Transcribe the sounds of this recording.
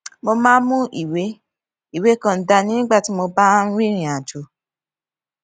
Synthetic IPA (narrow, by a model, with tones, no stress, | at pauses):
mo˧mãː˦mũ˦ʔi˦˨we˨˦ | i˦˨we˨˦kã˦˧n̩˨da˧nĩ˦nĩ˦ɡ͡ba˦˨ti˨˦mo˧ba˦ɾĩ˦ɾ̃ĩ˨a˨d͡ʒo˨